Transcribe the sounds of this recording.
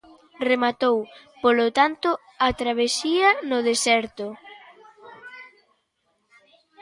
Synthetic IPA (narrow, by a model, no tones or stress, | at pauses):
remat̪ow | polot̪ant̪ʊ | at̪ɾaβ̞esiɐnʊðesɛɾt̪ʊ